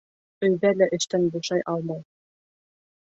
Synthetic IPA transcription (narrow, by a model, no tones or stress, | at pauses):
ɵ̆jðælæʔɘ̆ʃt̪ænbuʃɑjʔɑlˠmɑj